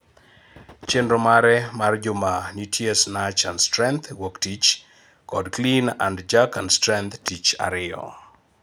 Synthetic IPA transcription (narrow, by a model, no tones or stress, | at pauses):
t͡ʃendɾomaɾɛmard͡ʒʊmanitʰjesnat͡ʃanstɾɛnt̪woktit͡ʃ | kɔdklina̰ndd͡ʒakanstɾɛnt̪tit͡ʃa̰ɾɪɔ̰